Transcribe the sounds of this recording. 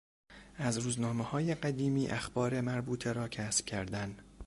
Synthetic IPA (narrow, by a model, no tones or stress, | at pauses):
ʔæzɾuːznɒːmehɒːjeɢæd̪iːmiːʔæxbɒːɾe̞mæɾbuːt̪ʰeɾɒːcʰæːsb̥̚cʲʰæɾd̪æn